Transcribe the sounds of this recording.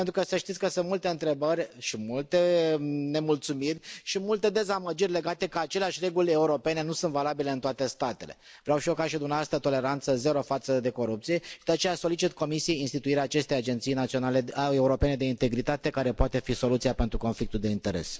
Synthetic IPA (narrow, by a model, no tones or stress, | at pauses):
ent̪ɾukəsəʃt̪it̪sʲkəsɨnt̪mult̪e̞ɨnt̪ɾe̞bərʲʃimult̪e̞ne̞mult̪sumirʲʃimult̪e̞d̪e̞zaməd͡ʒirʲle̞ɡat̪e̞kəat͡ʃe̞leaʃʲre̞ɡulʲeuɾo̞pe̞ne̞nusɨnt̪valabile̞ɨnt̪oat̪e̞st̪at̪e̞le̞̰vɾeawʃio̞kaʃid̪umneavast̪ət̪o̞le̞ɾant̪səze̞ɾo̞fat̪səd̪e̞ko̞ɾup̚t̪sije̞ʃid̪eat͡ʃe̞jaso̞lit͡ʃit̪ko̞misijejinst̪it̪uiɾeaːt͡ʃe̞st̪ejad͡ʒe̞nt̪sijnat̪sio̞naleeuɾo̞pe̞ned̪e̞int̪e̞ɡɾit̪at̪e̞kaɾe̞poat̪e̞fiso̞lut̪siape̞nt̪ɾuko̞nflikt̪uld̪e̞int̪e̞ɾe̞̰s